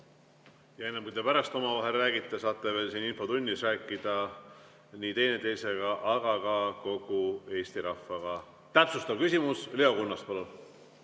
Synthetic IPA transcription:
jɑenːɑmkuijd̪epæɾɑst̪o̞mɑvɑɦe̞lræːɡit̪ːˑesɑːt̪ːˑe̞ve̞ːlsiːninfo̞t̪unʲːisræːkːˑid̪̥ɑ | niːt̪e̞jnet̪e̞jse̞ɡ̥ɑʔɑɡ̥ɑkɑko̞ɡ̥ue̞ːst̪iɾɑfːɑɡ̥ɑ | t̪æpsust̪ɑvkysʲimusleo̞kunːɑst̪̚pɑlun

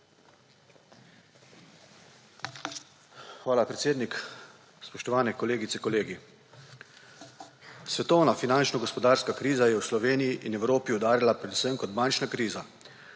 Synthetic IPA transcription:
xʋaːlapɾɛt̪seːd̪nik | spɔʃt̪ɔʋaːnɛkɔleːɡit̪sɛkɔleːɡi | sʋɛt̪ɔwnafinant͡ʃnɔɡɔspɔd̪aːɾskakɾiːzajɛwslɔʋeːnijiʔinɛwɾoːpiɔd̪aːɾjalapɾɛd̪usəmkɔt̪bant͡ʃnakɾiːza

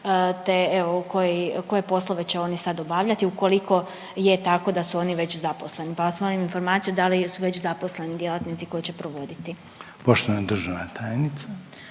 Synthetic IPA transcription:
t̪eeʋo̞uko̞jiko̞je̞po̞slˠo̞ʋe̞t͡ɕeo̞nisad̪obaʋʎat̪iuko̞liko̞ | jet̪ako̞d̪asuo̞niʋe̞t͡ɕzapo̞sle̞nipaosmoliminfo̞ɾmaːt̪sijud̪alisuʋe̞t͡ɕzapo̞sle̞nid̪je̞lˠat̪nit̪siko̞jit͡ɕe̞pɾo̞ʋo̞d̪it̪i | poʃt̪onad̪r̩ʒaʋna̰t̪ʰaːjnit̪sa

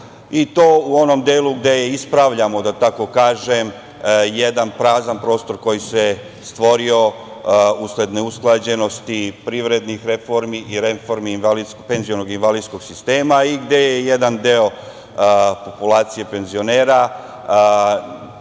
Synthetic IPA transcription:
it̪o̞ːuo̞no̞md̪eːluɡd̪e̞jeispɾaʋʎamo̞d̪at̪ako̞kaːʒem | jed̪anpɾaːzanpɾo̞ːst̪o̞ɾko̞jise | st̪ʋo̞ɾio̞ | usle̞d̪neusklˠad͡ʑe̞no̞st̪ipɾiʋɾe̞d̪nixɾe̞fo̞ɾmiʔiɾefo̞ɾminʋalid̪skpe̞nzionoɡinʋalid̪sko̞ɡsist̪e̞ːmaiɡd̪e̞jejed̪and̪eo̞ | po̞pulˠaːt̪sije̞pe̞nzio̞ne̞ːɾa

